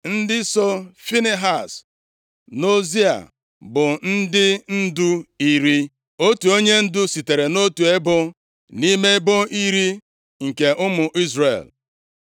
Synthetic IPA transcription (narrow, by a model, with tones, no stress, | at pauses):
n̩˦dɪ˦so˦fi˦ne˦ɦa˨s | no˦zi˦a̰˨ | bʊ˨n̩˦dɪ˦n̩˦dʊ˦i˦ɾi˦ | o˦tu˨o˦ɲe˦n̩˦dʊ˦si˨te˨ɾe˨no˦tu˨e˦bʊ˦ | ni˦me˦bʊ˦i˦ɾi˦ | ŋ̩˨ke˨ʔʊ˦mʊ˨ʔi˦zrḛ˨l